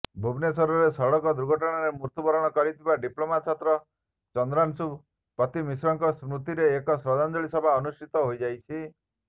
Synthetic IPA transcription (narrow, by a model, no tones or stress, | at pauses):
bʱubnesɔɾɔɾesɔɽɔkɔd̪ɾuɡʱɔʈɔɽ̃aɾemuɾt̪ubɔɾɔɽ̃ɔkɔɾit̪ʰibaɖiplomat̪t͡ʃʰɔt̪ɾɔ | t͡ʃɔnd̪ɾansu | pɾɔt̪imisɾɔŋkɔsɾut̪iɾeːkɔsɾɔd̪ɔnd͡ʒ̪ɔɭisɔbʱaɔnusʈit̪ɔɦojd͡ʒajt͡ʃʰi